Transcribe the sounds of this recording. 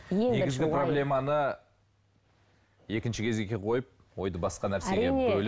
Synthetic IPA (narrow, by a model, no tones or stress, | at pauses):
eɡɪzɡɡɪproblʲe̞mɑnə | e̞kʲɪnʃɪkʲʰe̞zɡʲekʲʰeqʰo̞jəp̚ | wo̞jd̪əbɑsqɑnæɾseɡʲeɵl